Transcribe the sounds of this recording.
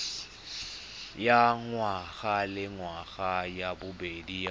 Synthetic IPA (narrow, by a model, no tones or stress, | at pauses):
jaŋwaɣalɪŋwaɣajabʊbedi